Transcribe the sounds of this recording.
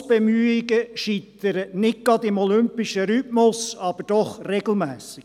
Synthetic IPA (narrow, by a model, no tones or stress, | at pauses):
b̥ɛmyːɪɡəʃit̪əɾənɪd̚ɡ̥ɑd̪ɪmɔlʏmpɪʃəɾytmʊsɑb̥əɾd̥ɔχrɛɡ̥l̩mæːsɪɡ